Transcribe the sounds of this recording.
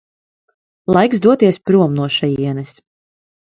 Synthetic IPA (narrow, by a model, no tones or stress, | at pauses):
lˠajksd̪uɔt̪iɛspɾuɔmnuɔʃajiɛnɛs